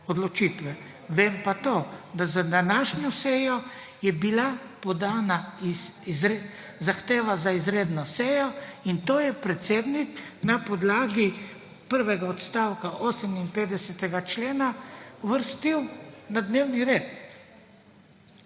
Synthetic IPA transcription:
ɔd̪lɔt͡ʃit̪ʋɛ | ʋeːmpat̪oːd̪azad̪anaʃɲɔsɛːjɔ | jɛbila | pɔd̪aːnaizzɾ | zaxt̪eːʋazaizɾeːd̪nɔsɛjɔint̪oːjɛpɾɛt̪seːd̪niknapɔd̪laːɡi | pəɾʋɛɡaɔt̪st̪aːwkaʔoːsɛminpeːd̪ɛsɛt̪ɛɡat͡ʃleːnaʋəɾst̪iwnad̪newniɾeːt̪̚

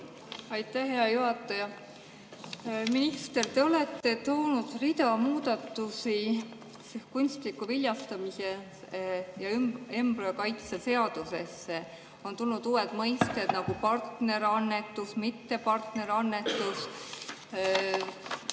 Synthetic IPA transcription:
ɑjt̪ːˑæhɦe̞ɑjuɦɑt̪ːˑɑjɑ | minist̪e̞rt̪e̞o̞le̞t̪ːe̞t̪o̞wnud̪̥rid̪ɑmuːd̪ɑt̪ːusi | kunʲst̪likːˑuvilʲjɑst̪ɑmise | jɑyme̞mbrokɑjt̪sese̞ɑd̪̥use̞sːe | o̞nt̪ulnud̪̥uːed̪̥mɤjst̪ed̪̥nɑɡ̥upɑrt̪ne̞ɾɑnːe̞t̪ːˑusmit̪ːe̞pɑrt̪ne̞ɾɑnːe̞t̪ːˑus

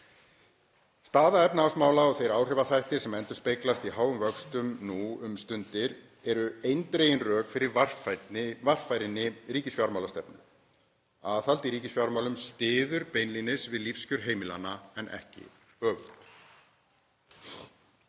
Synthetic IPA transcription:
st̪aːðaɛpnaasmaːwlaɔθejɾaːwr̥ɪːvaθajht̪ɪɾ̥sɛmɛnt̪ʏ̥spejklast̪iɦaːwvʏmvœkst̪ʏmnuʏmst̪ʏnt̪ɪɾ | ɛɾʏejnt̪ɾeːjɪnrœːkfɪɾɪɾvar̥fajt̪nɪvar̥fajɾɪnːɪɾiːcɪsfjawɾmawlast̪ɛpnʏ̰ | aðθalt̪iɾiːcɪsfjawɾmaːwlʏmst̪ɪːðʏɾpeːjnliːnɪsvɪðlifscʏɾ̥ɦeːjmɪla̰naɛnʔɛ̰hcɪ̰ | œːɣʏ̥t̪

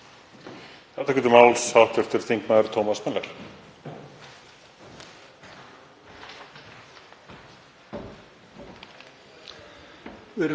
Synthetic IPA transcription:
θɛht̪ḁkɛnt̪ʏmaːwlsawht̪ɪɾ̥t̪ʰɪɾ̥θiŋkmaðɪɾ̥t̪ʰoːwmasmɛnlɛɾ̥ | ɛɾ

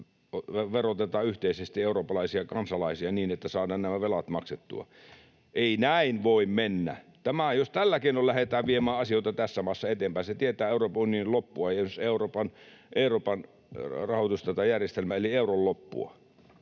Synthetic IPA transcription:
ʋeʋerot̪et̪ɑːyht̪eisest̪ieˑuroːpːɑlɑisiɑkɑnsɑlɑisiɑniːnet̪ːæsɑːdɑːnnæmæʋelɑt̪mɑkset̪ːṵɑ̰ | ʔeˑinæinʋoimmenːæ̰t̪æmæjost̪ælːækeˑinolæhet̪æːʋʋiemæːɑsijoˑit̪ɑt̪æsːæmɑːsːɑet̪empæˑiset̪iet̪æːeˑuroːpɑunionilopːuɑjoseuroːpɑn | ʔeˑuroːpɑn | rɑhot̪ust̪ɑt̪ɑjærjest̪elmæelieurollopːṵɑ̰

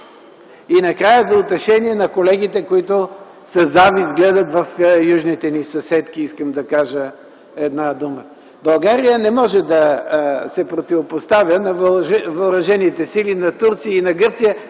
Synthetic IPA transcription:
inɐkɾajəzɐot̪ɐʃɛniɛnɐkolɛɡit̪ɛkoit̪o | sɐzavisɡlɛd̪ət̪vɐfjuʒnit̪ɛnisɐsɛt̪kʲiiskəmd̪ɐkaʒə | ɛd̪nad̪umə | bɐlˠɡaɾijənɛmɔʒɛd̪ɐsɛpɾot̪ivopost̪avʲjənɐvvɐʊɾɐʒɛnit̪ɛsilinɐt̪uɾt̪sijəinɐɡɤɾt̪sijə

